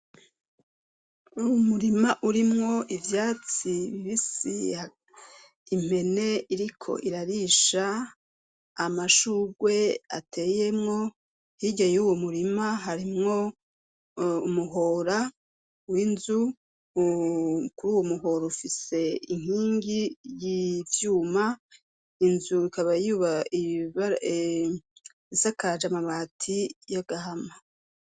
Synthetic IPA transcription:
uwomuɾimaʔuɾimŋo̞ʔivjaːt͡siβiβisḭa | im̥e̞ne̞iɾikʰo̞̰ʔiɾaɾiʃa | maʃuːɡwe̞a̰tʰe̞je̞mŋo̞ | hiɟajuwomuɾimaɦaɾimŋo̞ | umuɦoːɾa | winzu | kuɾuːwomuho̞ɾoufise̞iŋ̥hiːŋɡijivjuːma | inzuikaβajuβaiβa | isakaɾad͡ʒamaβaːtʰijaɡ̥aɦama

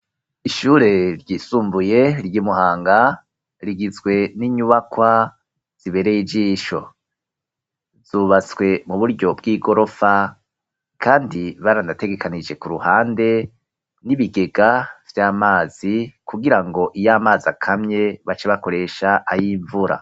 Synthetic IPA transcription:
iʃuːɾe̞ɾɟiːsuːmbuje̞ɾɟiːmuhaːŋɡa | ɾiɡizɡwe̞niɲuβakwa | z̥iβe̞ɾejid͡ʒiːʃo̞̰ | z̥uβat͡swe̞muβuɾɟo̞bɡiːɡo̞ɾo̞fa | kʰaːndiβaɾanate̞ɡe̞kanid͡ʒe̞kuɾuhaːnde̞ | niβiɡe̞ɡav̥jaːmaːz̥ikuɡiɾaŋɡo̞ʔijaːmaːzakʰamɲe̞βat͡ʃeβako̞ɾe̞ʃaʔajiːɱvuɾa̰

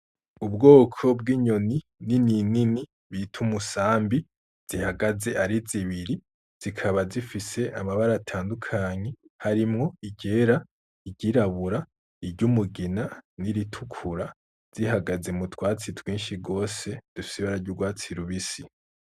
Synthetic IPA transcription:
ubɡo̞ːkʰo̞b̚ɡiːɲo̞ni | nininini | βitʰumusaːmbi | z̥ihaɡaze̞ʔaɾiziβiɾi | z̥ikʰaβazifise̞ʔamaβaɾatʰaːndukʰaɲe̞ | haɾimŋo̞iɟe̞ːɾa | iɟiɾaβuɾa | iɾɟumuɡinaniɾitʰukʰuɾa | z̥ihaɡaze̞mutʰwaːt͡sitwiːnʃiɡo̞ːse̞d̥ufi̥siβaɾaɾɟuɡwaːt͡siɾuβisi

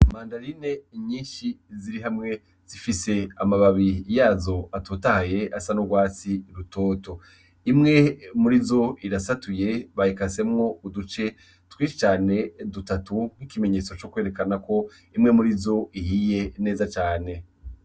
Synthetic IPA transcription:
maːndaɾine̞ɲĩːnʃiziɾiɦamŋe̞ | z̥ifise̞amaβaβijaːzo̞atutahaje̞asanoɡwaːt͡siɾuto̞ːto̞ | imŋe̞muɾizo̞iɾasatuje̞βahikase̞mŋo̞udut͡ʃe̞ | twiːʃit͡ʃaːne̞dutatuŋ̥ikime̞ɲe̞ːt͡so̞t͡ʃokwe̞ːɾe̞kanako̞ | imŋe̞muɾizo̞ihije̞ne̞ːzat͡ʃaːne̞

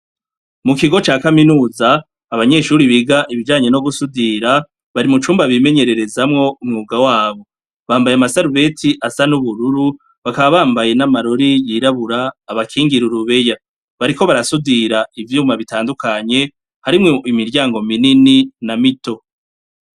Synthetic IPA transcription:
mukiɡo̞t͡ʃaːkaminuːzaː | βaɲe̞ʃuːɾiβiɡaʔiβid͡ʒaːɲe̞no̞ɡusudiɾa | βaɾimut͡ʃuːmbaβime̞ɲe̞ɾe̞ɾe̞zamŋo̞umŋuːɡawaːβo̞ | βaːmbajamasaɾuβe̞tʰiʔasanuβuɾuɾu | βakaβaβaːmbaje̞namaɾo̞ɾijiɾaβuɾaːβakʰiːŋɡiɾuɾuβe̞ja | βaɾiko̞βaɾasudiɾaivjuːmaβitaːndukʰaɲe̞ | haɾimŋeimiɾɟaːŋɡo̞minininamito̞

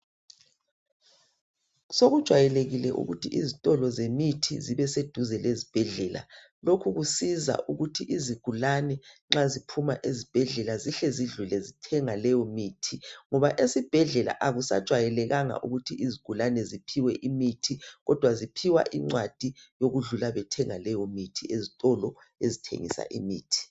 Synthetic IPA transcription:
soɣud̥ʒ̥ʱwajɛleɣilɛ̰ʔṵɣutʰiʔizitʼɔlɔzemitʰḭziβɛsed̥ʱuzɛlezib̥ʱɛɮɛla̰ | lokʰuɣusiza̰ʔuɣutʰiʔiziɡ̥ʱulanɛŋ͡ǁazipʰumaʔezib̥ʱɛɮɛlaziɬɛziɮulɛzitʰɛŋalɛjɔmiːtʰiŋɔβaʔesib̥ʱɛɮɛla̰ʔaɣusa̰d̥ʒ̥ʱwajɛlɛɣaŋa̰ʔṵɣutʰiiziɡ̥ʱulanɛzipʰiwɛʔimitʰiɣɔd̥ʱwazipʰiwa̰ʔiŋ͡ǀwad̥ʱijoɣuɮulaβɛtʰɛŋalɛjɔmitʰiezitʼɔlɔ | ezitʰḛŋḭsa̰ʔimḭːtʰi̥

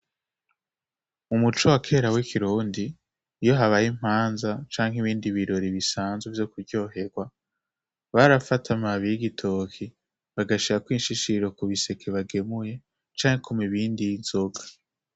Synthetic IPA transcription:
umut͡ʃowakʰe̞ːɾawekʰiɾuːndiː | jo̞ɦaβajim̥haːnzat͡ʃaːŋ̥ɦiβiːndiβiɾo̞ɾiβisaːnzwevjo̞kuɾɟo̞ːɦe̞ɡwa | βaɾafatʰamaβijiɡitʰokʰi | βaɡaʃiɾakwiːnʃiʃiɾo̞kuβise̞kʰeβaɡe̞muje̞ | t͡ʃaːŋekʰomiβiːndiz̥o̞ɡḁ

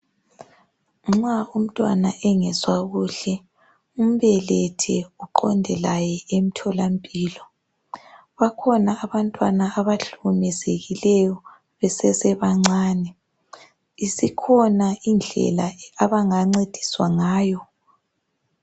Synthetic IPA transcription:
ŋ͡ǁaum̩tʼwa̰naʔɛŋɛzwaɣuːɬɛ | um̩βɛlɛtʰɛuǃɔ̰ndʱɛlajɛem̩tʰɔlampʼiːlɔ | βakʰɔnaːβantʼwanaːβaɬumɛzeɣilɛjɔ | βɛsɛsɛβaŋ͡ǀaːnɛ | isikʰɔnaind͡ɮʱɛ̰laaβaŋaŋ͡ǀed̥ʱi̥swaŋaːjɔ

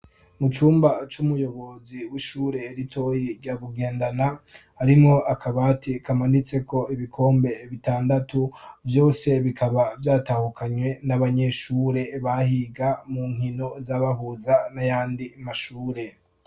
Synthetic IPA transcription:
mut͡ʃuːmbat͡ʃumujo̞βo̞ziwiʃuːɾe̞ɾitʰo̞jiɾɟaβuɡe̞ːndanahaɾimŋo̞ʔakʰaβatikamanit͡se̞ko̞iβikʰo̞ːmbe̞βitaːndatuvjo̞ːse̞βikʰaβavjaːtahukaɲwe̞naβaɲe̞ʃuːɾe̞βahiɡamuŋ̥hino̞zaβaɦuzanajaːndimaʃuːɾe̞

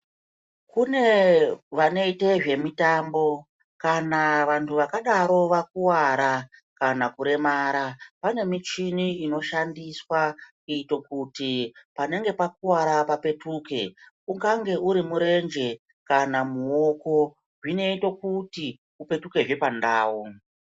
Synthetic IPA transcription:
kune̞ʋane̞ite̞ʐe̞mitambo̞ | kanaʋantʰuʋakaɗaɾo̞ʋak̚uwaɾa | kanakuɾe̞maːɾapane̞mit͡ʃiniino̞ʃandiswakuito̞kutipane̞ŋɡe̞pakuwaɾapape̞tuːke̞ | uŋɡaŋɡe̞uɾimuɾe̞nd͡ʒe̞ | kanamuoko̞ | ʐine̞ito̞kuti | upe̞tuke̞ʐe̞pandaːwu

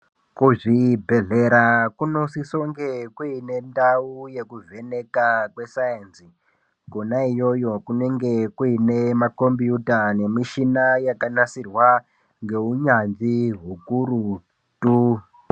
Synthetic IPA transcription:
kuʐibʱe̞ɮe̞ɾakuno̞sisoŋɡe̞kuine̞ndauje̞kuvʱe̞ne̞kakwe̞sajensi | konaijo̞jo̞kune̞ŋɡe̞kuine̞mako̞mbijutane̞miʃinajakanasirwa | ŋɡe̞uɲanʐiɦukuɾu | tu

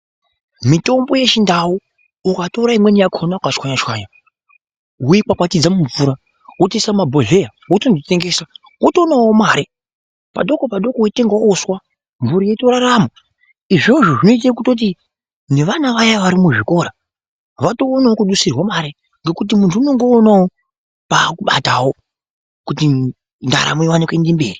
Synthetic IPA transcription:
mito̞mbo̞je̞t͡ʃindawuː | kato̞ɾaimwenijakʰo̞nakat͡ʃwaɲat͡ʃwaːɲa | ujikwakwatid͡zamuɱfuɾa | utesamabʱoɮe̞jautondite̞ŋɡe̞sa | uto̞ːnawomaːɾi | pa̰ɗo̞kopaɗo̞koweteŋɡaoswa | ɱvuɾijeto̞ɾaraːma | iʐoʐoʐino̞it̬akuto̞t̬i | ne̞ʋanaʋajaʋaɾimuʐiko̞ɾa | ʋato̞ːnawokuɗusirwamaːɾe | ŋɡe̞kut̬imuntʰuːno̞ŋɡo̞ːnawo | paːkuɓa̰tawo | kuti | nda̰ɾa̰moiwanikwendimbḛːri

